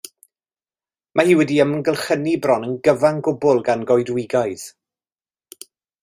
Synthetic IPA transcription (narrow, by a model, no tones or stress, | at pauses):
mʔahiːwɛdiəmənɡəlˠχənibrɔnənɡəvaŋɡʊbʊlˠɡanɡɔjdwɪɡajð̥